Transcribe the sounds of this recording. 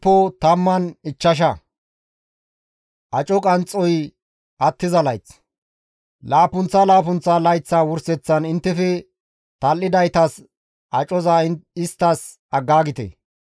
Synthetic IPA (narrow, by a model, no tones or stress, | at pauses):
pːɔt̪ɐmːɐnɪt͡ʃːɐʃ̬ɐ | ʔɐt͡ʃʼɔkʼɐnt͡sʼːɔj | ʔɐt̪ːɪzɐlɐjt͡s | laːpʊnt͡sːɐlaːpʊnt͡sːalɐjt͡sːaːwʊɾsɛt͡sːɐnɪnt̪ːɛfɛ | t̪ɐlːɪd̪ɐjt̪ɐs | ʔɐt͡ʃʼɔzaɪst̪ːɐs | ɐɡːaːɡɪt̪ḛ